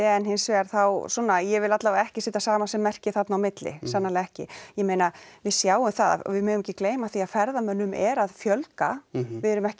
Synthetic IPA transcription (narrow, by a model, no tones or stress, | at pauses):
ɛnɦɪnsvɛːaɾ̥θawsɔːnːajɛvɪlat̪lavaɛhcɪsɪːt̪asaːmasɛmːɛr̥cɪθat̪nawmɪt̪lɪ̰sanːalaɛhcɪ̰jɛmejnavɪðsjaːwʏmθaða̰vɪðmœːðʏmɛcːɪkleːjmaθiaðfɛɾðamœnːʏmɛɾaðfjœlkavɪɛɾʏmɛhc